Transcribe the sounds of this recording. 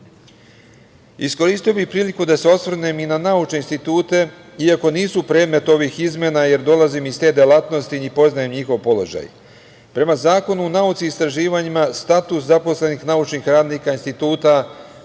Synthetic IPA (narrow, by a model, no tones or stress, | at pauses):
isko̞ɾiːst̪ijobipɾiːlikud̪ase̞o̞sʋvr̩neminanaut͡ʃne̞inst̪it̪uːt̪e̞ | iako̞niːsupɾe̞ːd̪me̞t̪o̞ʋixizmjenaje̞ɾd̪o̞lazimist̪e̞ːd̪jelat̪no̞st̪inipo̞znajemɲixo̞ʋpo̞lo̞̰ʒa̰j | pɾe̞mazaːko̞nuunaut̪siːst̪ɾaʒiːʋaɲimast̪at̪uszapo̞sle̞nixnaut͡ʃnixɾaːd̪nikainst̪it̪uːt̪a